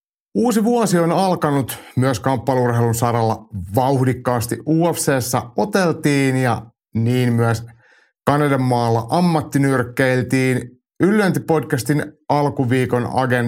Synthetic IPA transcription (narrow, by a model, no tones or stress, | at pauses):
uːsiʋuɑsionɑlkɑnut̪myəskɑmpːɑliurɦelunsɑɾɑlːɑʋɑuhdikːɑːst̪ḭʔʔuːefseːsːæo̞t̪elt̪iːnjɑ | niːnmyæs | kɑnɑdɑmːɑːlːɑʔɑmːɑt̪ːinyrkːeilt̪iːn | ylːønt̪ipo̞dkæst̪inɑlkuʋiːkonɑ̰ɡen